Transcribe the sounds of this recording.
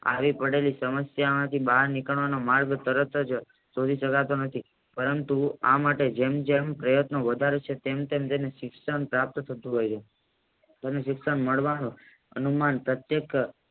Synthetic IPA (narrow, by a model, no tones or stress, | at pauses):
a̰ʋipəɽelisəməsjamãt̪ʰibaɦaɾnikəɭʋanomaɾɡt̪əɾət̪d͡ʒ | sod̪ʱiʃəkat̪onət̪ʰi | pəɾənt̪uamaʈed͡ʒemd͡ʒempɾəjət̪noʋəd̪ʱaɾet͡ʃʰet̪emt̪emt̪eneʃɪksənpɾap̚t̪t̪ʰət̪ũɦojt͡ʃʰe | t̪eneʃɪksənməɭʋanu | ə̰numanpɾət̪jek